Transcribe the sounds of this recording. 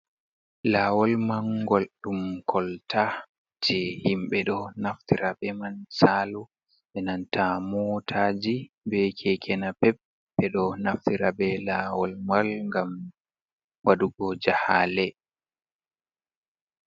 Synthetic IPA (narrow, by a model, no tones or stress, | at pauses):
laːwɔlmaŋɡɔlɗumkʰɔlta | d͡ʒɛhimɓɛɗɔnaftiɾabɛmansalu | ɓɛnantʰamɔtʰaːd͡ʒi | bɛkʰɛkʰɛnapɛpː | ɛɗɔnaftiɾabɛlaːwɔlmalŋɡam | waduɡɔd͡ʒahaːlɛ